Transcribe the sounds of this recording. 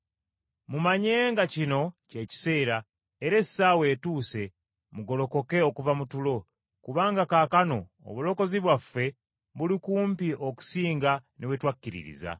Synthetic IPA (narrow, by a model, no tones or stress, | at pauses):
mumaɲe̞ːŋɡacino̞ce̞ːci̥se̞ːɾa | eɾe̞sawe̞ːtuːse̞ | muɡo̞lo̞ko̞ke̞okuvamutulo̞ | kuβaːŋɡakaːkano̞̰ːβulo̞ko̞ziβwafe̞ | βulikuːmpiʔo̞ku̥siːŋɡanʔewetwakːiɾḭɾḭza̰